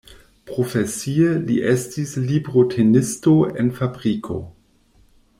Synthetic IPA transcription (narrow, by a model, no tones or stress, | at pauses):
pʁofesielḭʔestislibʁotʰenistoḛnfabʁikʰo̞̰